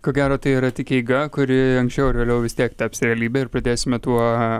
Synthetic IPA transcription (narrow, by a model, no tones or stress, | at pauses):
koːɡʲæːɾoːt̪ɐɪiɾɐt̪ʲɪkʲɛɪɡɐkʊɾʲɪɐŋksʲt͡ʃʲɛʊɪɾʋʲeːlʲɛʊʋʲɪst̪ʲiɛkt̪ʲɛpʲsɾʲɛɛlʲiːbʲeːɪɾpɾɐd̪ʲeːsʲɪmʲɛt̪uɔ